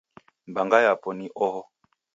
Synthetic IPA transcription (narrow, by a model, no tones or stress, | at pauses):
mbaŋɡajapɔniʔɔhɔ